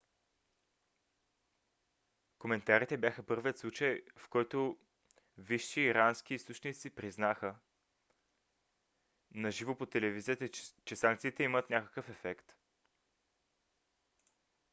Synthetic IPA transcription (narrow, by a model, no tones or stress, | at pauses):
komɛnt̪aɾit̪ɛbjaxəpɤɾviət̪slˠut͡ʃəjfkɔjt̪o | viʃiːɾansk̟iist̪ot͡ʃnit̪sipɾiznaxə | nɐʒivopot̪ɛlɛviziət̪t͡ʃɛsaŋk̚t̪sit̪ɛimət̪nʲakə̥kəfɛfɛkt̪